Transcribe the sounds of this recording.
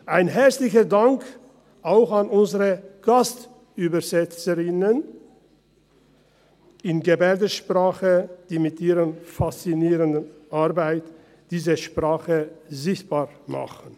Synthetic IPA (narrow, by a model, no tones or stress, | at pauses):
ʔaɪnɦɛɐt͡slɪçədaŋk | ʔaʊxanʊnzəʁəɡ̥ast | yːbɐzɛt͡səʁɪnən | ɪnɡebɛɐdəʃpʁ̥aːχəd̥iːmɪtʔiːʁənfast͡siniːʁəndənʔaɾbaɪt | d̥iːzəʃpʁ̥aːχəzɪçt̚b̥aːʁma̰χn̩